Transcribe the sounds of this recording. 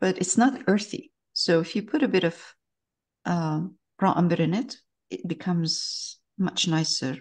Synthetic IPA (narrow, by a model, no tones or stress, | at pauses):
b̥ʌɾɨtsnətɜ˞θḭ | soʊɨfjɨpʰʊɾɨbɪɾʌv̥ | ʔʌ | pʰɹ̥ɑʔʌ̃mbə˞ɨ̃nɪt | ʔɪt̚b̥ɨkʰʌ̃mz̥ | mʌt͡ʃnaɪsə˞